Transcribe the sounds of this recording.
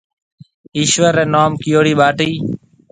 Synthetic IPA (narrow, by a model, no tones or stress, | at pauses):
iːʃʋəɾẽːnoːmkɪjoːɽiːɓaːʈiː